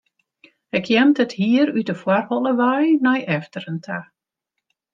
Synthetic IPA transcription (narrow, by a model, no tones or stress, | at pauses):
ɪkʰjɛmtəthiəɾydəfwarhɔləʋajnajʔɛftəɾəntʰa